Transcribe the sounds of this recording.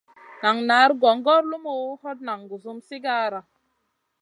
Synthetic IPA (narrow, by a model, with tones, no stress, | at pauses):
na˨ŋna˨˦ɾɡɔ˨ŋɡɔ˦ɾlu˦mo˦hɔ˦t̚na˨ŋɡu˨zu˦msi˦ɡa˦ɾa˨